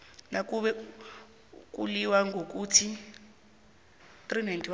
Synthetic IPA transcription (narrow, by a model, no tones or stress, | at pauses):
nak̬uɓɛ | k̬ʼuliwaŋɡʱok̬utʰi | t̪rinajntʰʼiw